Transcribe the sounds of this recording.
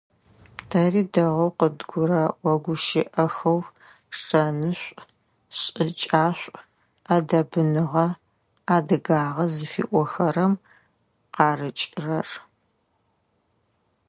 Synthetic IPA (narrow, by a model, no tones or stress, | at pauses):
tʰɐriːdɐʁɐwqədɡʷʊɾɐwʷɐɡʷʊʃɪʔɐxɐw | ʂʈ͡ʂʼɐnɨɕʷʼ | ɕʼɨt͡ʃʼaːɕʷʼ | aːdɐbɨnɨʁɐ | aːdɨɡaːʁɐzɨfḭːʔʷɔxɐɾɐm | qɑːrɨt͡ʃʼrɐr